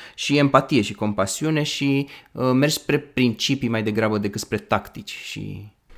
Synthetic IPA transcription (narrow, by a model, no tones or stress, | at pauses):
ʃie̞mpat̪ije̞ʃiko̞mpasiune̞ʃiəme̞rd͡ʒspɾe̞pɾint͡ʃipimajd̪e̞ɡɾabəd̪ekɨt̪spɾe̞t̪akt̪it͡ʃʲʃḭ